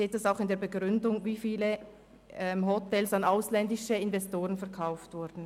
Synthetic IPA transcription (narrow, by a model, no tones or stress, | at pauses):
eːt̚d̥asaʊxɪndeːɐbəɡʁʏndʊŋviːfiːlə | ɛmɦɔtɛlsanaʊslɛndɪʃəɪnvɛstoːʁənfɛɐkʰaʊftv̥ʊɐd̥n̩